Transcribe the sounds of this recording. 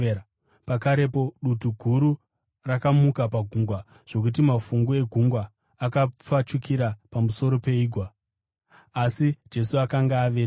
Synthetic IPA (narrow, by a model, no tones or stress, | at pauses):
pakaɾe̞po̞ɗutuɡʱuɾu | rakamukapaɡʱuŋɡwa | ʐ̥o̞k̬ut̬imafuŋɡoe̞ɡʱuŋɡwaː | kap͡fat͡ʃukiɾapamuso̞ɾo̞pe̞iːɡʱwa | asid͡ʒe̞suakaŋɡaːʋeː